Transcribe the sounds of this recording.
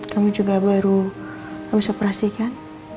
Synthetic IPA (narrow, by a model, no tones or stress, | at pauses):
kamud͡ʒuɡabaɾu | amisopɾasikan